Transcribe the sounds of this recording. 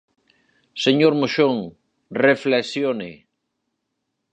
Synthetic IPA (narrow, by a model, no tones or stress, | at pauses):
seɲoɾmoʃoŋ | refleksjone